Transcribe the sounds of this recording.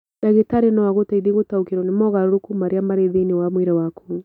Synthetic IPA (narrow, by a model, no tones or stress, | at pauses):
daɣetaɾenawaɣotaiðeɣotaokeɾɔnemɔɣaɾoɾokumaɾeamaɾeðenewamweɾɛwaku